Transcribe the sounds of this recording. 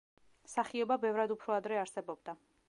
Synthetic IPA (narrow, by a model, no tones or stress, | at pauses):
saχiɔbabɛvɾad̪upʰɾɔad̪ɾɛaɾsɛbɔbd̪a